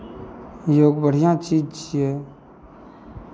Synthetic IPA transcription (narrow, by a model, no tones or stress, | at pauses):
joːɡbəɽ̤ijãːt͡ʃiːd͡ʒt͡ʃije